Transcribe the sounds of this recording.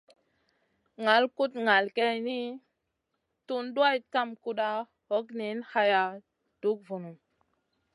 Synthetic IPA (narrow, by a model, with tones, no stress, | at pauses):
ŋa˨lku˦tŋa˨lke˦jni˦ | tu˦nɗu˦a˦jka˦mku˦ɗa˦ | ho˦kni˨˦nha˦ja˨ | d̥u˦k̚vu˨nu˨m